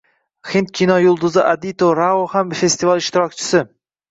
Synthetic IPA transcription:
hint̪̚kʲʰinɒjʊlˠd̪ʊzɪʔad̪it̪oɾaohamfe̞st̪ivalˠɪʃt̪ɪɾɒkʲt͡ʃʰɪ̥sɪ

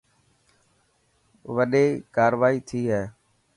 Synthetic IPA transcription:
ʋəɗeːkaːɾʋaːiːt̪ʰiːɦɛː

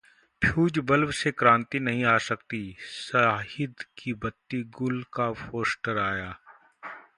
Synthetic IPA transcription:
pʰjuːd͡ʒbɐlwsekɾãːnt̪inɐɦĩaːsɐkt̪isaːɦɪd̪kibɐt̪ːiɡʊlkafoːsʈəɾaːjaː

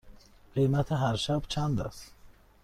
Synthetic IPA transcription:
qemat̪ʰaɦaɾʃabt͡ʃʰand̪a̰s

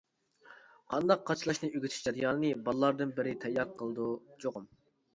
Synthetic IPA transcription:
qʰɑnd̪ɑqqːɑt͡ʃʰlˠɑʃnɨyɡʲyt̪ʰy̥ʃd͡ʒɑd̪jɑːnɨnɨbɑlˠlˠɑɾd̪ɨnbɪɾɪt̪ʰɛjːɑɾqʰəlˠɨd̪ud͡ʒoʁʊm

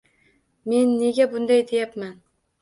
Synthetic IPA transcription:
me̞nːe̞ɡʲabʊnd̪ajd̪ejapman

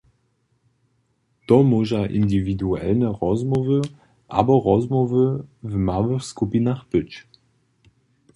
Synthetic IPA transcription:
d̥ɔmoʒaʔḭndividuɛ̰lnəʁɔzmɔvə | ʔa̰bɐʁɔzmɔvəvmavəxskupinaχb̥ɪt͡ʃ

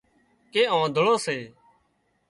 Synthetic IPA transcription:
keːãːd̪ʱʊɭoːseː

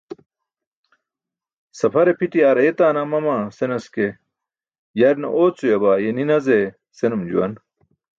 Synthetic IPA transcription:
sɐpʰɐɾepʰiʈiaːɾet̪aːnamɐmasenɐske | jɐɾnɐ̰ʔoːt͡sujɐbaːjeninɐze | senumd͡ʑṵwɐ̰n

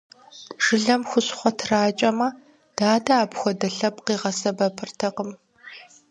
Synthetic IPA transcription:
ʒ̥ɨɮɐmxʷʊɕχʷɔtʰraːt͡ʃʼɐmɐ | d̥aːdɐaːpxʷɔdɐɬɐp̚qiːʁɐsɐbɐpʰɨrtʰɐqəm

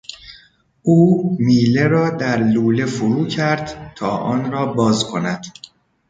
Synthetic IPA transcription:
ʔuːmiːleɾɒːd̪æɾluːle̞foɾuːcʰæɾd̪̥t̪ʰɒːʔɒːnɾɒːbɒːzkʰo̞næd̪̥

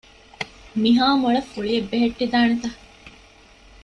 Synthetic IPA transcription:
miɦaːmuɭɐfːuɭiebːeɦeʈːid̪aːnet̪ɐ

